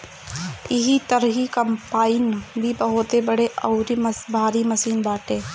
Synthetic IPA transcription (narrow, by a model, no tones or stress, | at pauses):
ɪɦit̪əɾɦikɐmpaːɪnbʱibɐɦʊt̪ebɐɽeʔɐʊɾimbʱaːɾimɐsiːnbaːʈẽː